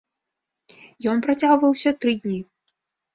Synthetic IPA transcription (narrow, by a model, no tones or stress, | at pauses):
jɔnpɾɐt͡sʲaɣvɐwsʲɐt̪ɾɨd̪ʲnʲi